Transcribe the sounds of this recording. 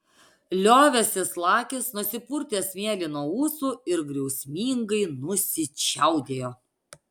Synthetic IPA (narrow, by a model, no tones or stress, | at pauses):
lʲoːʋʲɛsʲɪslˠɑːkʲɪsnʊsʲɪpuɾʲt̪ʲeːsʋʲiɛlʲɪnuɔuːsuːɪɾɡɾʲɛʊsʲmʲiːŋɡɐɪnʊsʲɪt͡ʃʲɛʊd̪ʲeːjoː